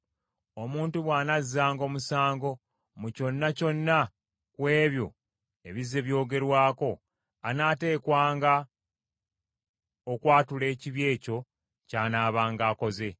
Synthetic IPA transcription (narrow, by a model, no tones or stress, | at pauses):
o̞muːntuβwaːnazːaːŋɡo̞musaːŋɡo̞ | muco̞nːaco̞nːa | kwe̞ːβjo̞̰ | e̞̰βize̞βjo̞ːɡe̞ɾwaːko̞ | anaːte̞ːkwaːŋɡa | okwaːtule̞ːciβje̞ːco̞ | caːnaːβaːŋɡaːko̞ze̞